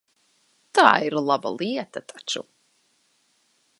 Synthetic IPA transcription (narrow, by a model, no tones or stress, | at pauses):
t̪a̰ːiɾlˠaba̰lˠiɛt̪at̪ʰat͡ʃṵ